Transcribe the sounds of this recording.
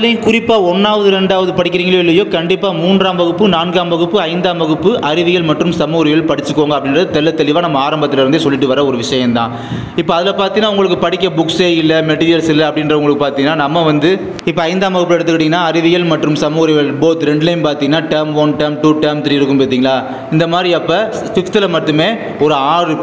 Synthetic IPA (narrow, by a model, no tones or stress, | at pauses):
lɐjnkʊɾɪpːaːɔnːaːʋɐðɯɾɛɳɖaːʋɐðɯpɐɽɪkʲːɪɾiːŋɡɐɭoːɪlːɐjoːkɐɳɖɪpːaːmuːnraːmʋɐɣɯpːɯnaːnɡaːmʋɐɣɯpːɯɐɪnd̪aːmʋɐɣɯpːɯʔɐɾɪʋɪɣɐlmɐʈrɯmsɐmuːɣɾɪɣɐɭpɐɽɪt͡ʃːɯkːoːŋɡɐpːɐɽɪnrɐðɯt̪ɛlːɐt̪ːɛlɪʋaːnɐmːɐaːɾɐmbɐt̪ːɪlɪɾɯnd̪ɯsɔlːɪʈːɯʋɐɾɐɔɾɯʋɪʂɐjɐnt̪ãː | ɪpːoɐðɪlɐpaːɾt̪iŋnːaːʊŋɡɐɭɯkːɯpɐɽɪkʲːɐbʊkseːɪlːɐmɛʈiːɾɪjɐlsɪlːɐɐpːɐɽɪnɾɐʊŋɡɐɭɯkːɯpaːɾt̪iŋɐnaːnɐmːɐʋɐnd̪ɯ | ɪpːoɐɪnd̪aːmʋɐɣɯpːɯɛɽɯt̪ːɯkːʋɐʈ̬ːɪŋɡɐnːaːɐɾɪʋɪɣɐlmɐʈrɯmsɐmuːɣɾɪjɐɭboːt̪ɾɛɳɖlɐɪmpaːɾt̪iŋɡɐnːaːʈɐmʋɐnʈɐmʈuːʈɐmt̪ɾiːɪɾɯkːɯmpeːt̪̬ːiːŋɡɐlaː | ɪnd̪ɐmaːd̪ɾiɐpːɐ | fɪft̪ɪlɐmɐʈːɯmeː | ɔɾɯaːrɯ